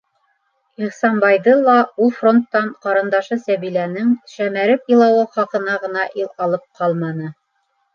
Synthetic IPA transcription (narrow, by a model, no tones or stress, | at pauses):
iχsɑmbɑjðɤlˠɑulˠfro̞nt̪ːɑɴqɑɾɤ̆nd̪ɑʃɤsæβilænɘŋʃæmæɾɘpɤ̆lˠɑwɤχɑqɤ̆nɑʁɤ̆nɑʔilˠɑlˠɤp̚qʰɑlˠmɑnɤ